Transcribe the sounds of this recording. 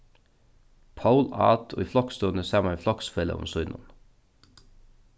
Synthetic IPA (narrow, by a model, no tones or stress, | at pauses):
pʰaʊlɑ̰ːt̪ʰo̰ːiːflɑkst̪oːnəseːmɑniːflɑksfɛlə̰ʊ̰msɔʏnʔɔ̰n